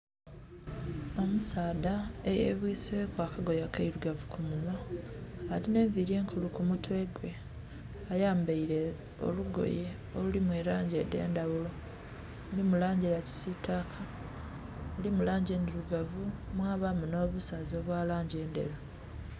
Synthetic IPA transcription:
omusaːdaejḛβwiːswe̞kwaːkaɡo̞jakaiɾuɡavukumuna | aline̞ːɱviɾe̞ːŋkʰulukumutwe̞ɡwe̞ | ajaːmbaiɾe̞ | o̰luɡo̞̰je | olulimweɾaːɲɟe̞de̞̰ːndaβulo̞ | ulimulaːɲɟejaci̥sitakʰa | ulimulaːɲɟe̞ːndeɾuɡavumwaːβamuno̞ːβusazo̞ːβwaːlaːɲɟe̞ːnde̞̰ɾo

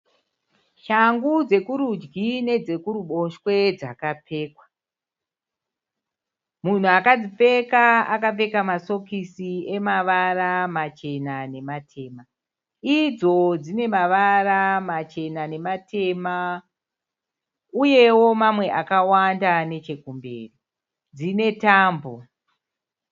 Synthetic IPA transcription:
ʃaŋɡud͡ze̞kuɾud͡ʒɡine̞d͡ze̞kuɾuɓo̞ʃwe̞d͡zakap͡feːkwa | mun̤uakad͡zip͡fe̞kaakap͡fe̞kamaso̞kisie̞maʋaramat͡ʃe̞nane̞matʰe̞ːma | id͡zo̞d͡zine̞maʋaramat͡ʃe̞nane̞matʰe̞ma | uje̞wo̞mamwe̞ʔakawandane̞t͡ʃe̞kumbe̞̰ːri | d͡zine̞taːmbo̞̰

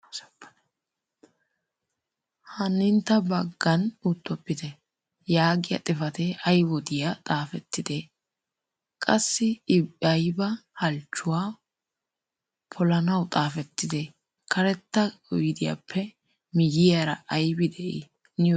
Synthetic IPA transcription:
hɐnːɪnt̪ːɐbɐɡːɐnʊt̪ːɔpːɪd̪ɛ | jaːɡɪjɐ̰t̪ʼɪfɐt̪ɛʔɐjwɔd̪ɪjat̪ʼaːfɛt̪ːɪd̪eː | kʼɐsːɪɪbɐjbɐhɐlt͡ʃːʊwaː | pʰɔlɐnɐwt̪ʼaːfɛt̪ːɪd̪e | kʰɐɾɛt̪ːɐɔjɪd̪ɪja̰pʰːɛ | mɪjɪjaɾɐʔɐjbɪd̪ɛʔḭ | nɪ

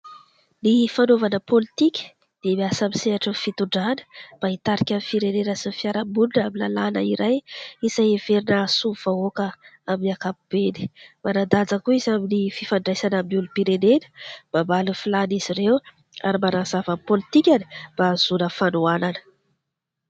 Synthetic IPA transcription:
nifanovanəpolit̪ikʲə̥ | d̪̥emiasamiseaʈ͡ʂənfit̪uɳɖ͡ʐanə̥b̥ait̪aɾikʲamifiɾeneɾəsinfiaɾambulunamilalanəiɾajiz̥ajeveɾinəsuvaokəaminakapub̥eni̥manad̪ad͡zakuizaminififaɳɖ͡ʐajsanamulupiɾenelə̥b̥ambalufilaniz̥iɾew | a̰ɾimanazavamipolit̪ikʲanib̥az̥unəfanuananə̥

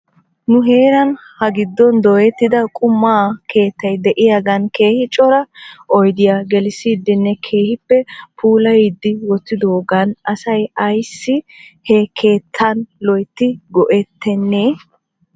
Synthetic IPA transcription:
nʊɦe̞ːɾɐn | hɐɡɪd̪ːɔnd̪ɔjɛt̪ːɪd̪ɐkʼʊmːaːke̞ːt̪ːɐjd̪ɛʔɪjaɡɐnke̞ːhɪt͡ʃʼɔɾɐʔɔjd̪ɪjaɡɛlɪsiːd̪ːɪnːɛkʰe̞ːhɪpːɛpʰuːlɐjid̪ːɪwɔt͡sːɪd̪oːɡɐnɐsɐjɐjsːɪ | hɛkʰe̞ːt̪ʰːɐnlɔjt̪ːɪɡɔʔɛt̪ʰːɛnːeː

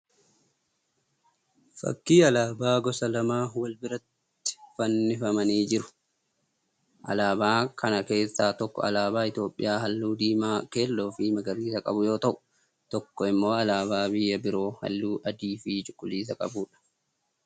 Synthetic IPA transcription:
fɐ̰kːiːɐlaːbaːɡɔsɐlɐmaːwɐlbɪɾɐt̪ː | ɪ̥fɐnːɪfɐmɐniːd͡ʒɪɾʊ̥ | ʔɐ̰laːbaːkʰɐnɐke̞ːsːaːt̪ɔkːɔ̰ɐ̰laːbaːɪt̪jo̞ːpʼːɪjaːhɐlːuːd̪iːmaːkeːlːoːfiːmɐɡɐɾiːsɐkʼɐbʊjo̞ːt̪ɐʔʊ̥ | t̪ɔkːɔɪmːo̞ːɐlaːβaːbɪjːɐbɪɾo̞ːhɐ̰lːuːʔɐd̪iːfiːt͡ʃʼʊkʼːʊliːs̬ɐkʼɐbuːᶑɐ̥

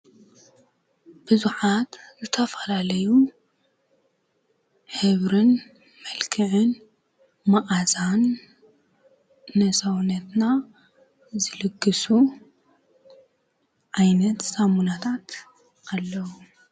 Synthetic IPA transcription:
b̥ɨzuħat̪zɨt̪ʰɐfɐlalɐju | ħɨβɾɨn | mɐlkʰɨʕɨn | maʔazan | ɐsawnɐt̪na | zɨlɨɡːɨsu | ʕajnɐt̪samunat̪ʰat̪ | alːɐwu

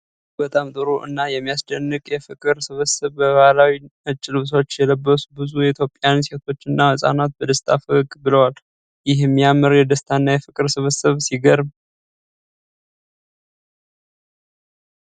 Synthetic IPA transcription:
bət̪ʼamt̪ʼɨɾuʔɨ̰nːajɛmːijasd̪ənːɨkʼjɛfɨkʼɨɾsɨβɨsɨβbəβalawiɨt͡ʃʼːɪlɨβs̬o̞t͡ʃːjɛləbːəsbɨzujɛit̪jo̞pʼːjanse̞t̪ʰo̞t͡ʃːɨnːahɨsʼa̰nat̪̚bəd̪əst̪ʼʰafəɡʼbɨləwal | jɪɦmːijamɨɾjɛd̪əst̪ʰanːajɛfɨkʼɨɾsɨβəsɨβsiɡəɾ

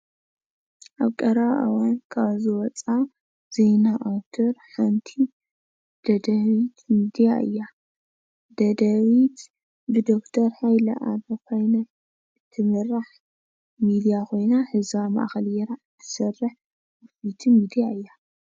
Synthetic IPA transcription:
ʔaβkʼɐɾaβʔa̰wankʰaβzɨwɔt͡sʼa | z̥ejnaʔawt̪ʰoɾħant̪ʰi | d̪̥ɐd̪ɐβit̪mid̪ijaʔɨ̰jːa | d̪̥ɐd̪ɐβit̪ | bɨd̪okt̪ʰɐɾhajlɐ̰ʔa̰bɐkʰajnɐ | t̪ʰɨmɨrːaħ | mid̪ijakʰo̞jnaħɨzama̰ʔxɐljɛɾat̪ʰːɨ̥sɐrɨħ | ɨfit̪ʰimid̪ijaɨjːa

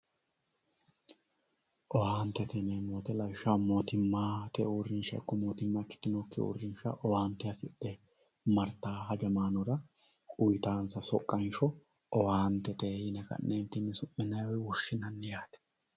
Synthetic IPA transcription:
ʔɔwaːnt̪ːɛt̪ɪnɛmoːt̪ɛlɐwʃamo̞ːt̪ɪmːaːt̪ɛʊrːɪnʃɐ̰kːɔmoːt̪ɪmːakɪ̥t̪ːɪnokːɪ̰ʊ̰rːɪnʃɐʔɔwaːnt̪ːɛɐsɪɗɛ | mɐɾt̪aːɦɐd͡ʒɐmaːnʊɾɐ | ʊjɪt̪aːnsɐsɔkʼːɐnʃɔ | ʔɔwaːnt̪ːɛt̪eːjɪnɛkɐ̰nːeːnt̪ːɪnːɛsʊmːɪnɐjwɛwʊʃːɪnɐnːɛjaːt̪ɛ̥

